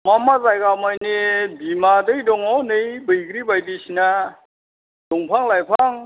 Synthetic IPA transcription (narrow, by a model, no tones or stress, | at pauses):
mɔmazajkamajnebimadɯjdɔŋɔnɯjbɯjɡɾibajdisina | d̥ɔŋpʰaŋlajpʰaŋ